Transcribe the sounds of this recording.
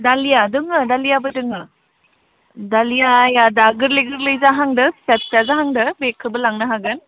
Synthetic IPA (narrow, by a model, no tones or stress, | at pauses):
dalijadɯŋɯdalijabɯdɯŋɯ | dalijajadaɡɯɾleɡɯɾlɯjzaɦaŋdɯsep̚tazaɦaŋdɐbekʰɯbɐlaŋnɐɦaɡɯn